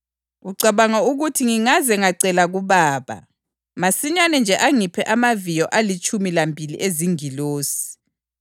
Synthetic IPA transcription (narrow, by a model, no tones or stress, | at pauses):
uǀaβaŋauɣutʰiŋiŋazɛŋaǀɛlaɣuβaːβa̰ | masiɲanɛnd͡ʒʱɛʔaŋipʰɛʔamavijɔʔalit͡ʃʼumilambʱilḭʔeziŋiloːsi̥i̥